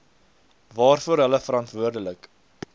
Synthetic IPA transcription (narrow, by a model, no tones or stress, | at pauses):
vɑːrfuəɾɦələfəɾɑntvuərdələk